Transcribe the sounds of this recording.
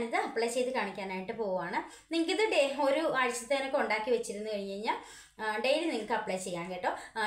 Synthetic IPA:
niðɨɐpːɭeːt͡ɕe̞jt̪ɨkaːɳikʲːaːnaːjiʈːɨpo̞ːɣuʋaːɳɨ | niŋːɐkːiðɨɖeo̞ɾuɐɻit͡ɕːɐt̪ːenɐkːuɳɖaːkːiʋet͡ɕːiɾunːukɐɻiɲːɐɻiɲːaːl | ɖejiliniŋːɐɭkɨɐpːɭet͡ɕe̞jːaːŋɡɐʈːoː

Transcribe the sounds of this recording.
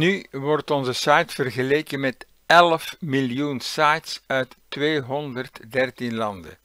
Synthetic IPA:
nyʋɔrtɔnzəsajtfərɣəleːkənmɛt | ɛlfmiljunsajtsœɥtːʋeːɦɔndərtdɛrtinlɑndə̰

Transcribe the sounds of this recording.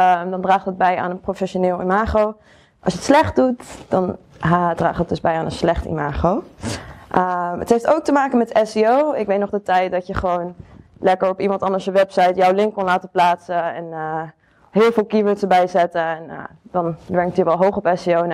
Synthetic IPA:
əmdɑndraːχtət̚bɛja̰ːnənprofɛʃonɪːlˠḭmaːχow | ʔɑ̰lˠsjətslɛχt̚dutd̥ɑndra̰ːχət̚dɵzbɛjaːnənslɛχtḭmaːχow | ʔəmə̰tɦejftowk̚təmaːkənmɛtɛsiowɪkʋejtnɔχdətɛjt̚dɑtjəχəʋown | lɛkəɹɔpimɑntɑndəɹsjəʋɛpsɑjtjɔwlɪŋkːʊnlaːtəplaːtsəɛ̰n | ɦɪːlˠvɪːlˠkiʋətsəbɛjzɛtəɛn̰dɑnʋɛɹŋktjəʋɛlˠɦowχɔpɛsiown

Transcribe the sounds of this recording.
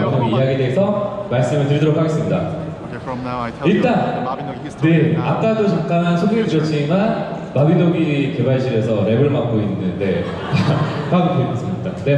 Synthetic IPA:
kʰamiijaɡideːsʰʌmaɭs͈ɯmɯɭtɯɭidʌɾʌkʰaɡe̞s͈ɯmɲida̰ | iɭt͈an | ne̞ak͈adot͡ɕak̚k͈anansʰoɡiɡidɯɾjʌt͡ɕ͈iman | pabidoɡike̞baɭɕ̬ʰiɾe̞sʰʌɾe̞bɯɭmak͈̚oinːɯnde̞ | apamiteik͈ʌs͈ɯida̰ne

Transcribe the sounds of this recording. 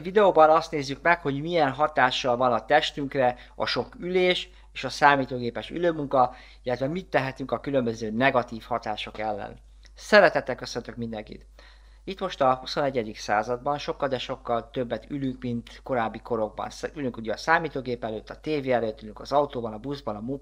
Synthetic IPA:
vid̪ɛoːbɒnɒst̪neːzːykmɛkho̞ɟmiɛnɦɒt̪aːʃːɒlvɒnɒt̪ɛʃt̪yŋkrɛ | ɒ̰ʃo̞kyleːʃ | eːʃɒsaːmiːt̪oːɡeːpɛʃy̰løːmuŋkɒ | ilːɛt̪ʋɛmit̪ːɛɦɛt̪yŋkɒkylø̞mbø̞zøːnɛɡɒt̪iːfhɒt̪aːʃo̞kɛlːɛ̰n | sɛɾɛt̪ɛt̪ːɛlkø̞sønt̪økmind̪ɛŋkḭt̪ | it̪mo̞ʃt̪ɒhusonɛɟɛd̪iksaːzɒd̪bɒnʃo̞kːɒld̪ɛʃo̞kːɒlt̪ø̞bːɛt̪ylyŋkmint̪ko̞ɾaːbːiko̞ɾo̞ɡ̚bɒ̰nsylyŋkuɟɛːsaːmiːt̪oːɡeːpɛløːt̪ːɒt̪eːveːɛløːt̪ːylyŋkɒzɒut̪oːbɒnɒbuzbɒnɒmu

